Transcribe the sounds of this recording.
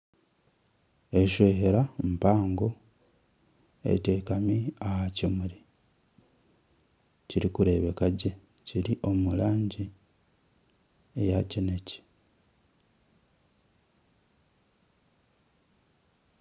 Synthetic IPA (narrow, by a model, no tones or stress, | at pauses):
eʃweːɦeɾampaːŋɡo | e̞̰te̞ːkamiahacimuɾi | ciɾikuɾe̞βe̞kaɟe | ciɾiʔo̞mulaːɲɟi | ejacineci̥